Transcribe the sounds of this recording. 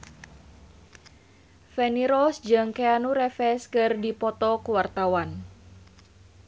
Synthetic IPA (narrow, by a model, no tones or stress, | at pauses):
fɛniɾɔsd͡ʒɨŋkeanuɾɛfɛskɨrdipɔt̪ɔkəwart̪awan